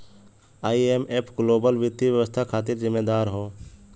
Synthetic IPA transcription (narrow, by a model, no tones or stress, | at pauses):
aːiemepʰɡloːbəlʋɪt̪iʋjəʋəst̪ʰakʰaːt̪ɪɾzɪmːeːd̪aːɾɦoː